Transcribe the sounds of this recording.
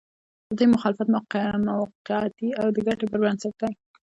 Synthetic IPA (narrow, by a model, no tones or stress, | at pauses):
d̪̥əd̪ujmʊxɑlɪfat̪mamawqɪɑt̪iawd̪əɡaʈebəɾwansat̪aj